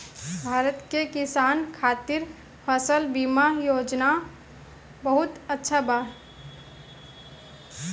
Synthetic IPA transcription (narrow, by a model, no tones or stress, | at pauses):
bʱaːɾət̪kekɪsaːnkʰaːt̪ɪɾ | pʰəsəlbiːmajoːd͡ʒna | bəɦʊt̪ətːʃʰabaː